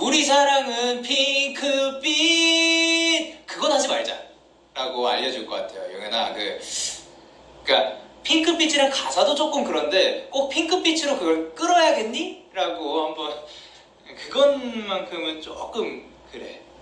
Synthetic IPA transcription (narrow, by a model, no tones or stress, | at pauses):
uɾis̬ʰaɾaŋɯnpʰiŋkʰɯpʰi | kɯɡʌnɦad͡ʑimaɭd͡ʑa̰ | ɾaɡoa̰ʎːʌd͡ʑuɭk͈ʌk͈atʰe̞jo̰jʌŋena̰kɯ̰ | k͈apʰiŋkʰɯpʰit͡ɕʰɯɾankasʰadot͡ɕ͈ok͈ɯmkɯɾʌnde̞k͈ok̚pʰiŋkʰɯpʰit͡ɕʰɯɾokɯɡʌɭk͈ɯɾʌjaɡe̞nɲiɾaɡohambʌn | kɯɡʌnmankʰɯmɯnt͡ɕok͈ɯm | kɯɾe̞̰